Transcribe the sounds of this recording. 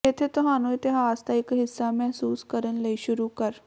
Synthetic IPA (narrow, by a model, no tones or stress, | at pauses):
et̪ʰet̪ʊɦaːnõɪt̪eɦaaːst̪aɪkɦɪsːamɛɦsuːskəɾənlɐiʃʊɾukəɾ